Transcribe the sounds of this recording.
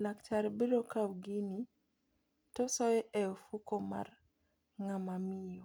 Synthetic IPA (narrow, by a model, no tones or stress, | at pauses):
lakt͡ʃaɾbiɾokawɡini | tɔsɔjɛʔɛofukoma̰r | ŋamamɪjɔ